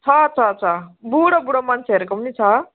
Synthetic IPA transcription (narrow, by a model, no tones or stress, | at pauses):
t͡sʰʌt͡sʰʌt͡sʰʌbuɽobuɽomant͡sʰeɦeɾekomunit͡sʰʌ